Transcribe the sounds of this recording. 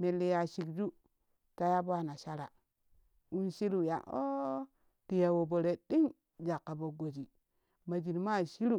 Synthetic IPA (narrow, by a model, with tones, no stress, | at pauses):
me˨lːe˨ja˨ʃi˨kd͡ʒu˦ | ta˦ja˦ba˦˨na˨ʃa˦ɾa˨ | u˦nʃi˦lu˨ja̰˨o˦ | ti˨ja˨wo˨bo˨ɾe˨ɗi˦ŋ | d͡ʒa˨kːa˨bo˨ɡo˨d͡ʒi˨ | ma˨d͡ʒi˨nma˦˨ʃi˦ɾu˦˨